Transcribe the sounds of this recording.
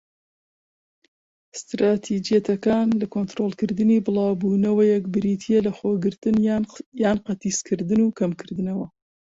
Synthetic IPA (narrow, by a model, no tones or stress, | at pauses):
st̪ɾaːt̪ʰid͡ʒijɛt̪ʰɐkaːnlɐkont̪ɾolˠkɨɾd̪ɨniːbɨlɑːwbuːnɐwɐjɛkbɨɾiːt̪ʰijelɐxoːɡɨɾt̪ɨnjaːnqɐt̪iskʰɨɾd̪ɨnuːkʰɐmkʰɨɾd̪ɨnɐwɐ